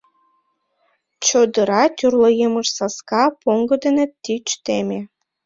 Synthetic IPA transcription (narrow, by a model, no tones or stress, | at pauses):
t͡ɕod̪əɾɑt̪ʲyrləjəməʃsɑskɑpoŋɡɤd̪enet̪ːit͡ɕt̪emʲe